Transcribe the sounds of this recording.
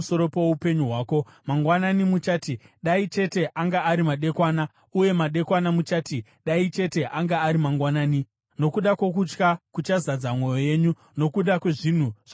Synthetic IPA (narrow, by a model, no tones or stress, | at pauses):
soɾo̞powoupe̞ɲuɦwaːko̞maŋɡwananimut͡ʃaːtiɗait͡ʃe̞te̞ʔaŋɡaːɾimaɗe̞kwaːna | uje̞maɗe̞kwanamut͡ʃaːti | ɗait͡ʃe̞te̞ʔaŋɡaːɾimaŋɡwanaːni | no̞kuɗakwo̞k̬ut͡ʃkakut͡ʃazad͡zamwo̞jo̞je̞ːɲu | no̞kuɗakwe̞ʐin̤uʐa